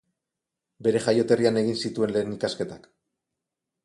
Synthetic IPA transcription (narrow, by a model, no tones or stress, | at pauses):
be̞ɾe̞ʝajo̞t̪e̞riane̞ɣ̞insit̪ue̞nle̞ːnikaske̞t̪ak